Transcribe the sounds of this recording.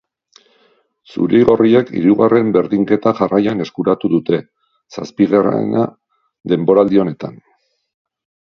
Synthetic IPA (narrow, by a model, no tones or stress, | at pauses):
sṵɾejɣo̞rie̞kḭɾuɣare̞mbe̞ɾðiŋke̞t̪aʝarajane̞skuɾat̪uðut̪e̞ | sa̰spiɣera̰na | ðe̞mbo̞ɾald̪io̞ne̞t̪an